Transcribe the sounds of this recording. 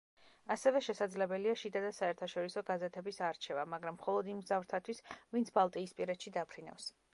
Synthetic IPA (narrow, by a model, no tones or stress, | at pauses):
asɛvɛʃɛsad̪zlɛbɛliaʃid̪ad̪asaɛɾt̪ʰaʃɔɾisɔɡazɛt̪ʰɛbisaɾt͡ʃʰɛvamaɡɾamːχɔlˠɔd̪imɡzavɾt̪ʰat̪ʰwisvint̪sʰbalˠt̪ʼiːspʼiɾɛt̪ʃid̪apʰɾina̰fs